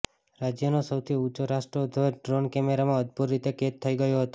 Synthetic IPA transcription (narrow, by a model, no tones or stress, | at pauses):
ɾad͡ʒjənosəwt̪ʰiut͡ʃoɾaʃʈɾod̪ʱoɖɾonkɛmeɾamãəd̪̚buɾːit̪eket̪ʰːəiɡəjoɦət̪o